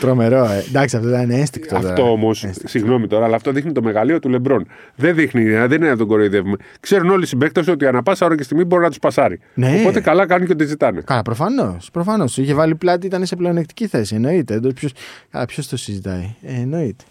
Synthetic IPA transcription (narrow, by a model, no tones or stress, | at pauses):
t̪ɾo̞me̞ɾo̞ed̪ɐksiɐft̪ot̪ɐnineenst̪iŋkt̪oɐt̪ofɾt̪oomo̞sessiɣno̞mit̪o̞ɾɐːlaːft̪o̞ðixnit̪o̞me̞ɣɐlio̞t̪ule̞bɾo̞n | ðenðixniːeɐðenineot̪oɡo̞ɾo̞jðe̞vume | kse̞ɾuno̞lisibe̞kt̪ɐsuo̞t̪iɐnɐpɐsɐoɾɐcest̪iɣmibo̞ɾinɐt̪u̥spɐsɐɾineopo̞t̪e̞kɐlɐkɐnunceot̪̬izit̪ɐnḛkɐlɐpɾo̞fɐno̞spɾo̞fɐno̞stiçevɐliplɐt̪iit̪ɐneseple̞onekt̪i̥ciθe̞sie̞no̞it̪eod̪ospçosɐ̰lɐpço̞st̪osizit̪ɐjeːno̞it̪e̥